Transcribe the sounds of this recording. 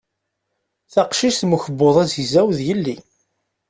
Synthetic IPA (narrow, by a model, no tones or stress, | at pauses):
θɑqʃiʃθməçəbːoðˤæzzæwðjəlːi